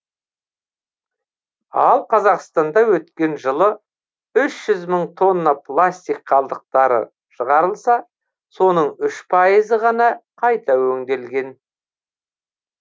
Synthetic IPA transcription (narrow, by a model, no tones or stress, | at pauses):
ɑ̰lˠqʰɑzɑqst̪ɑnd̪ɑwɵt̪kʲe̞nʒəlˠə | ʏʃʒ̥ʏzməɴt̪ʰo̞nːəplˠast̪ijkqʰɑlˠd̪əq̚t̪ɑɾə̰ | ʃəʁɑɾəlˠsɑ | so̞nəɴʏʃpʰɑjəzəʁɑnɑqʰɑjt̪ɑwɵŋd̪e̞lɡʲe̞n